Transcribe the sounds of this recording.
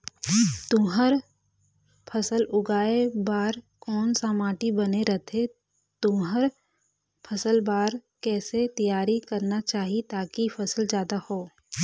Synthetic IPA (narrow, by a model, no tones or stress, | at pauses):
t̪ʊ̃ːɦəɾ | pʰəsəlʊɡaːebaːɾkɔːnsəmaːʈibɐneɾɐt̪ʰe | t̪ʊ̃ːɦəɾ | pʰəsəlbaːɾkɛːset̪ɐjaːɾikɐɾnat͡ʃaːɦit̪aːkipʰɐsəld͡ʒjaːd̪ahoː